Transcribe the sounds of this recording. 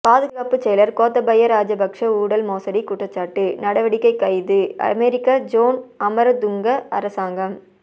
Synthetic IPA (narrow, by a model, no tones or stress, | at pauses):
paːðɯɣaːpɯt͡ʃɛjɐlɐɾkoːt̪ːɐbɐjɐɾaːd͡ʒɐbɐkʂɐuːɽɐlmoːsɐɽikːʊʈrɐt͡ʃːaːʈːɯnɐɽɐʋɐɽɪkːɐɪkːɐɪðɯɐ̰meːɾɪkːaːd͡ʒoːnɐmɐɾɐd̪ʊŋɡɐɐɾɐsaːŋɡɐm